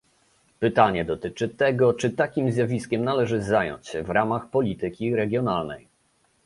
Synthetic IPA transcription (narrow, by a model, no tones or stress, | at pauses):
pɘt̪aɲɛd̪ɔt̪ɘt͡ʂɘt̪ɛɡɔt͡ʂɘt̪akʲimzjavʲiskʲɛmnalɛʐɘzajɔ̰ɲt͡ɕɕɛvɾamaxpɔlʲit̪ɘkʲiɾɛɡʲjɔnalnɛ̰j